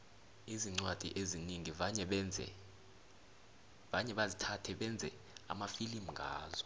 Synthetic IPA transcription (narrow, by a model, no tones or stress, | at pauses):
iziŋ͡ǀwad̥ʱḭʔeziniŋivaɲɛɓɛd͡zʱɛ̰ | vaɲɛɓazitʰatʰɛɓɛnd͡zʱɛ | a̰mafilimŋɡʱa̰ːzɔ̥